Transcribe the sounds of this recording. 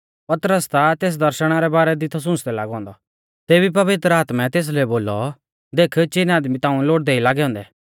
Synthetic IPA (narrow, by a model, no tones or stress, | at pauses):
pɐt̪ɾəst̪at̪eːs̬d̪ɐɾʃəɽ̃aɾɛbaːɾɛd̪it̪ʰɔs̬ʊ̃ːsd̪ɛlaːɡɔ̃ːnd̪ɔ | t̪eːbipɐʋɪt̪ɾəaːt̪mɛt̪eːs̬leboːlɔ | d̪eːkʰt͡ʃɪnaːd̪mit̪ãːũloːʈ̚d̪ɛilaːɡɛɦɔ̃ːnd̪ɛ